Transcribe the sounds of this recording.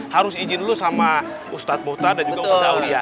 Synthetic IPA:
haɾʊsid͡ʒɪnlusama | ust̪at̪̚mot̪adand͡ʒuɡaaawdia

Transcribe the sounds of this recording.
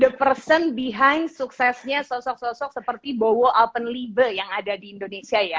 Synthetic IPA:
dəpərsənbiɦaɲsuksɛsɲasɔsɔk̚sɔsɔk̚səpərt̪ibowoʔalpənlibəjaŋadadiːndonesiaja

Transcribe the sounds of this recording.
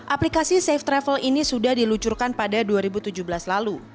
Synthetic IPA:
ʔaplikasisɛft̪ɾɛfəlinisudahdilut͡ʃurkanpadaduaɾibut̪ud͡ʒuhbəlaslalu

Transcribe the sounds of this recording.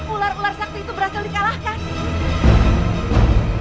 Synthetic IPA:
ularularsak̚t̪iːt̪ubəɾasaldikalahkan

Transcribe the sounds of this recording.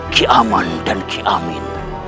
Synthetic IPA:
kʰiʔamɐndɐnkʰiʔamḭn

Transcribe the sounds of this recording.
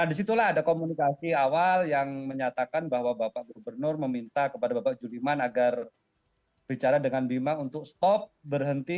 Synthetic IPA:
nadis̬it̪ulaɦadakomunikasiawaljaŋməɲat̪akanbahwabapaʔɡobərnʊrməmint̪akəpadabapaʔd͡ʒulimanaɡar | b̥it͡ʃaɾadəŋanbimaunt̪ʊk̚st̪ɔp̚bərɦənt̪i

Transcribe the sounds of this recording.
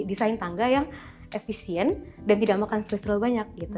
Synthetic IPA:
disaint̪aŋɡajaŋʔefisiɛndant̪idaʔmakansəpɛsɾalbaɲak̚ɡit̪u

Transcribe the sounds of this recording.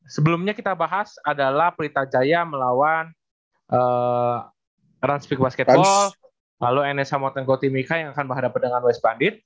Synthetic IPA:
səbəlumɲakit̪abaɦasadalahpəɾit̪ad͡ʒajaməlawan | ʔə | ɾanspik̚baskɛt̪bɔl | laloɛnɛsamɔt̪ɛnkot̪imikajaŋakanbəɦadapat̚dəŋanwɛspandɪt̪̚

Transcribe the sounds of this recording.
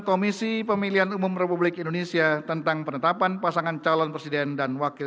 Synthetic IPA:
komisipəmiliɦanumumrepublɪkindonesiat̪ənt̪aŋpənət̪apanpasaŋant͡ʃalɔnpɾesidɛndanwakɪ

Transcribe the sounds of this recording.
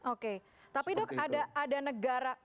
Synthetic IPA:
oke | t̪apidɔkadaːdanəɡaɾa

